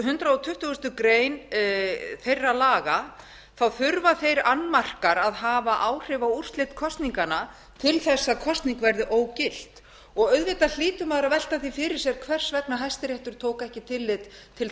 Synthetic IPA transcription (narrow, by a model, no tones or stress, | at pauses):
ɦʏnt̪ɾaɔt̪ʰʏht̪ʏɣʏst̪ʏkɾeːjn | θejrːalaːɣa | θawθʏɾvaθejɾanːmar̥kaɾaðɦaːvaʔaːwr̥ɪvaur̥t̪lɪt̪kʰɔst̪niŋkana | t̪ʰɪlθɛsːakʰɔst̪niŋkvɛɾðɪʔoːwcɪl̥t̪ | ɔɣœɥðvɪt̪al̥iːt̪ʏmaðɾaðvɛl̥t̪aθifɪɾɪɾ̥sjɛɾ̥kʰvɛr̥svɛpnaɦajst̪ɪɾɛht̪ʏɾ̥t̪ʰoːwkɛhcɪt̪ʰɪlːɪt̪ʰː | ɪl